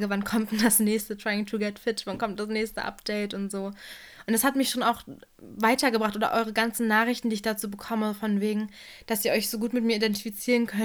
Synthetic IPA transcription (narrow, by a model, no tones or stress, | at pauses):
ɡəvankʰɔmtd̥asnɛːçstətʁ̥aɪɪŋtʰuɡɛtfɪtv̥ankʰɔmt̚d̥asnɛːçstəʔa̰pd̥ɛɪtʊntz̥oːʔʊntashatmɪçʃoːnaʊx | vaɪtɐɡəbʁaχtʔoːdɐ̰ʔɔʏʁ̞əɡant͡sn̩nːaːχɪçtn̩diːçd̥at͡suːbəkʰɔməfɔnveːɡŋ̩d̥asiːɐʔɔʏçz̥oːɡuːtmɪtmiːɐidɛntifit͡siːʁənkʰœn